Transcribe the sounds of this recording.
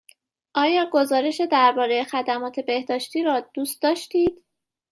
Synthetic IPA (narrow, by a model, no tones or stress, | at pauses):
ʔɒːjɒːɡo̞zɒːɾe̞ʃe̞d̪æɾbɒːɾe̞jexæd̪æmɒːt̪ʰe̞be̞hd̪ɒːʃt̪iːɾɒːd̪̥uːst̪̚d̪ɒːʃt̪iːd̪̥